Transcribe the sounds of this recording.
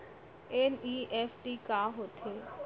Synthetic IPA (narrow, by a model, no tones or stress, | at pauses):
eniːʔɛːfʈiːkaːɦoːt̪ʰeː